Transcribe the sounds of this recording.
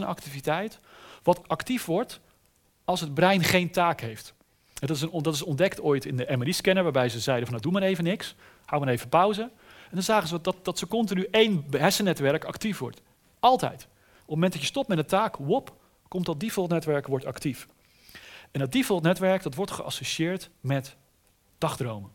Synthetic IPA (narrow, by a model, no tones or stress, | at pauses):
ənʔɑ̰ktivitɛjtʋɑtɑktifʋɔɹt | ɑlˠsɦəd̚brɛjnχejntaːkɦejft | ɦɛdɑtɪs̬əndɑtɪsɔndɛktojtɪndəʔɛməiskɛnəɹʋaːɹbɛjzəzɛjdənvɑnədumaɾejvənɪks | hawʋmənejvəpʌwzə | ɛndɑnzaːχəzədɑdɑtsəkɔntɪnyʔejnbəɦɛsənɛtʋɛɹkɑktifʋɔ̰ɹt | ɑlˠtɛ̰jt | ɔpmoɛntdɑjəstɔpmɛtdəntaːkʋɔp | kɔmtdɑd̚difɔlˠtnɛtʋɛɹkʋɔɹtɑ̰ktif | ɛnət̚difɔlˠtnɛtʋɛɹkdɑtʋɔɹtχəʔɑ̰soʃɪːɹtmɛt | d̥ɑχdrowmə